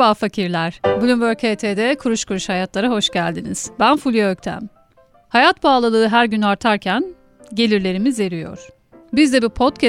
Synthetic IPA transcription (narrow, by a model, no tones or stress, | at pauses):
aːfacʰiɾlʲæɾ̥bulʲumbøɾcʰet̪ʰed̪ɛkʰuɾuʃkʰuɾuʃhajat̪lˠaɾaɦo̞ʃɟælʲd̪inḭz̥bænfulʲˠijaøc̚t̪ʰæ̰m | hajat̪baːlˠalˠɯːɦæɾɟynaɾt̪ʰaɾcʰæn | ɟe̞lʲiɾlʲe̞ɾimize̞ɾijo̰ɾ̥ | bizd̪ɛbipʰo̞t̪cʰɛ